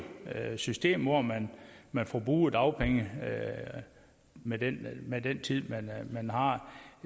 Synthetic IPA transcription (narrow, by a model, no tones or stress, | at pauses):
sysd̥e̝̰ːmʋɒmænmænfɒb̥ʁuːd̥ɑ̈ʊpʰeŋə | med̥enmed̥ent͡sʰið̰ˠmænmænɦɑ̈